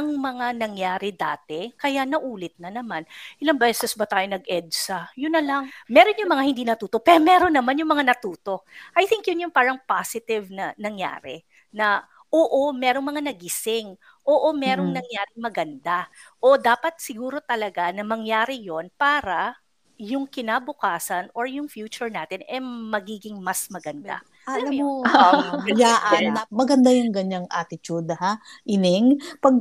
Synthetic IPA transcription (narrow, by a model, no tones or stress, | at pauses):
ɐŋmɐŋanɐŋjaːɾɪd̪aːt̪ɛkɐjanɐʔuːlɪt̪̚nɐnɐmanʔʔɪlɐŋbɛːsɛsbɐt̪aːjonɐɡʔɛd̪̚sɐjʊnːɐlɐŋmɛːɾo̞njʊmɐŋahɪnd̪iːnɐt̪uːt̪opɛɾomɛɾo̞nːɐmanjʊŋmɐŋanɐt̪uːt̪o̞ʔɐjt̪ɪŋkjʊnjʊŋpaːɾɐŋpasɪt̪ɪvnɐnɐŋja̰ːɾɛ̰ | nɐ | ʔoːʔomɛːɾoŋmɐŋanɐɡɪsɪŋ | ʔoːʔomɛːɾo̞ŋnɐŋjaːɾɪŋmɐɡɐnd̪aʔo̞d̪aːpɐt̪̚sɪɡuːɾo̞t̪ɐlɐɡanɐmɐŋjaːɾɪjo̞npaːɾɐ | jʊŋkɪnaːbʊkaːsɐnoɹjʊŋfjuːt͡ʃʊɹnaːt̪ɪnɛmɐɡiːɡɪŋmɐsmɐɡɐnd̪a̰ | lɐmo | jaːʔnɐmɐɡɐnd̪ajʊŋɡɐɲaŋʔat̪ɪt̪ud̪̚ɐhaʔɪnɪŋpɐɡ̚